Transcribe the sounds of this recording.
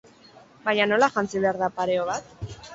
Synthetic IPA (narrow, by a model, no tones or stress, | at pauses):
baɲano̞laʝant͡siβe̞aɾðapaɾe̞oβ̞at̪